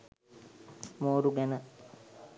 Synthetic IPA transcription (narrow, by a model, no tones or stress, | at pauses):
moːɾuɡɛnə